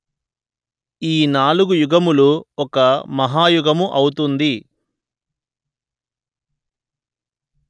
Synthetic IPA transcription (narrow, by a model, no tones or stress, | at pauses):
iːnaːluɡujuɡɐmuluɔkɐmɐɦaːjuɡɐmuʔɐwut̪und̪i